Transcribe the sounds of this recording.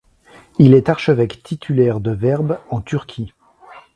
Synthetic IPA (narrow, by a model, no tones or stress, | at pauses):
ilɛt̪aʁʃəvɛkt̪ʰit̪ʰylɛʁd̪əvɛʁbɑ̃t̪yʁkʲʰi